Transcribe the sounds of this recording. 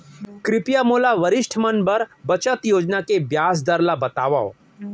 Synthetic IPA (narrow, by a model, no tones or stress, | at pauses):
kɾɪpjamoːlaʋəɾɪʃʈʰmənbəɾbət͡ʃət̪joːd͡ʒnakebjaːs̬d̪əɾlabɐt̪aːʋa